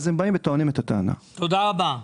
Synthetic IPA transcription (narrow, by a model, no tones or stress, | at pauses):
zembaimbet̪oanimet̪at̪aːna̰t̪od̪aʁaba